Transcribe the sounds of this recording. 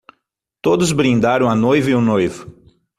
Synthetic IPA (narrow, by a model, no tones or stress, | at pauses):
t̪od̪ʊzbɾĩnd̪aɾɐ̃w̃ɐnojviʊnojvʊ